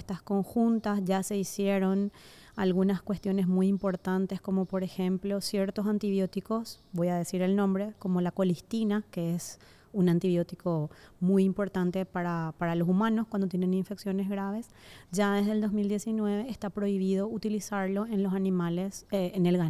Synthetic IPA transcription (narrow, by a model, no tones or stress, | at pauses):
st̪asko̞ŋxunt̪asʝase̞isjeɾo̞n | alɣunaskwe̞st̪jo̞ne̞smujimpo̞ɾt̪ant̪esko̞mo̞po̞ɾexẽmplo̞sje̞ɾt̪osant̪iβjo̞t̪iko̞s | bo̞jaðe̞siɾe̞lnõ̞mbɾe̞ko̞mo̞lako̞list̪inakees | unant̪iβjo̞t̪iko̞mujimpo̞ɾt̪ant̪e̞paɾapaɾalo̞sumãnoskwand̪ot̪jenenĩɱfe̞ksjo̞nezɣɾaβ̞e̞s | d͡ʒaðezðeld̪o̞zmild̪je̞sinwe̞βe̞ːst̪apɾo̞iβ̞iðo̞ut̪ilisaɾlo̞enlo̞sanĩmaleseːnelɣa